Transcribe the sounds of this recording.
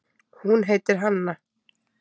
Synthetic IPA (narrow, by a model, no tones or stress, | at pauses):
hunɦeːjt̪ɪɾ̥ɦanːa